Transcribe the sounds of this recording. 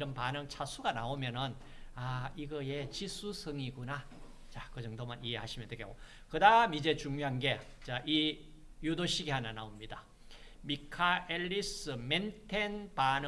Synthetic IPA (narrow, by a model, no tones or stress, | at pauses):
ɾʌnpanɯŋt͡ɕʰasʰuɡanaomjʌnɯn | aiɡʌe̞t͡ɕisʰusʰɯŋiɡuna | t͡ɕakɯd͡ʑʌŋdomaniɦe̞haɕʰimjʌnteɡeko | kɯdamid͡ʑe̞t͡ɕuŋɲoɦanɡe̞ | t͡ɕaʔi | judoɕʰiɡiɦananaomɲida | mikʰaeʎːisɯmentʰenpanɯ